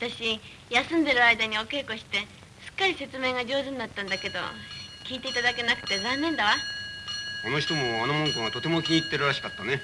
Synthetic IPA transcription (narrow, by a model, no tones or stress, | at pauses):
at̪aɕi | jasɨ̃nd̪e̞ɾɯ̟aid̪aɲ̟io̞ke̞ːko̞ɕi̥t̪e̞ | sɨ̥kːaɾʲise̞t͡sɨme̞ːɡad͡ʑo̞ːzɨ̃ɲʲːat̪ːãnd̪ake̞d̪o̞̰kʲiːt̪e̞it̪ad̪ake̞nakɯ̟̥t̪e̞zãnːẽ̞nd̪aβa | konoçi̥t̪o̞moanomõŋkõat̪o̞t̪e̞mo̞kʲiit̪ːeɾɯ̟ɾaɕi̥kat̪ːane̞